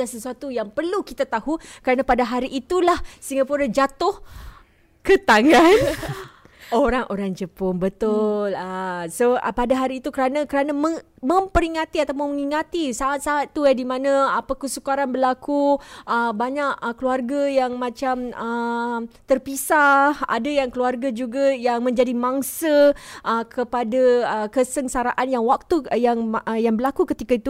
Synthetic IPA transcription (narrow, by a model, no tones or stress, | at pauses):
asəsuat̪ujaŋpərlukit̪at̪ahukəɾanãpadaɦaɾiʔit̪ulahsiŋɡapuɾad͡ʒat̪ʊh | kət̪aŋɡan | oɾaŋʔoɾaŋd͡ʒəpʊŋbət̪ʊləsopadaɦaɾiːt̪ukəɾanãkəɾanamə | mə̃mpəɾiŋat̪iat̪awpʊnməŋiŋat̪isaat̪̚saat̪ːuadimãnãapakəsukaɾanbəlakuəbaɲaʔəkluarɡajaŋmãt͡ʃamə | t̪ərpisaha̰dajaŋkəluarɡad͡ʒuɡajaŋmə̃ɲd͡ʒadimãŋsaʔəkʰəpadaəkəsəŋsaɾaʔanjaŋwak̚t̪ujaŋjaŋbərlakukət̪ikait̪u